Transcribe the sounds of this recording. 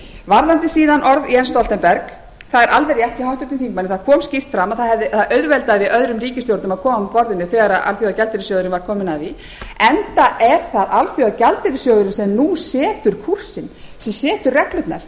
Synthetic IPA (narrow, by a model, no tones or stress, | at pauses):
vaɾlant̪ɪsiːðanʔɔɾðiɛnst̪ɔlt̪ɛnpɛɾk | θaðɛɾʔalvɛɾjaht̪iɦawht̪ʏɾt̪ʏmfθiŋkmanɪθaðkʰɔːmscɪft̪fɾamːaðθaðhɛvðɪθaʔœðvɛlt̪aðvɪðœðɾʏmriːcɪst̪jowɾt̪nʏmaðkʰɔːmampɔɾðɪnːʏθɛːɣaɾaðʔa̰lθjɔðacɛlt̪ɪɾɪsjɔːðʏɾɪnvaɾ̥kʰɔːmɪnavi | ɛnt̪aʔɛɾ̥θaðalθjɔðacalt̪ɪɾɪsjœːðʏɾɪnsɛmnusɛːt̪ʏɾ̥kʰur̥sɪn | sɛmsɛːt̪ʏɾrɛklʏt̪na̰ɾ̥